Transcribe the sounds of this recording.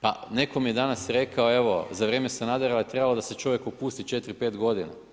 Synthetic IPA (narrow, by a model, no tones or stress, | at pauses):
pa̰ne̞ko̞mijed̪anasɾe̞kaoe̞ʋo̰zaʋɾeːme̞senad̪eɾalot̪ɾe̞balod̪ase̞t͡ʃo̞ʋje̞kopuːst̪it͡ʃe̞t̪ɾipe̞ːt̪ɡo̞d̪ina̰